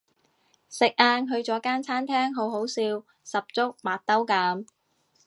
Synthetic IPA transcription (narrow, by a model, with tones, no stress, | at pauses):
sɪ˨k̚ʔaː˧nɦɵ˧ɥt͡sɔː˨˥kaː˥nt͡sʰaː˥nt̪ʰɛː˥ŋɦo˨˥wɦo˨˥wsiː˧w | sɐ˨p̚t͡sʊ˥k̚maː˨˩t̚t̪ɐ˥wkaː˨˧˥m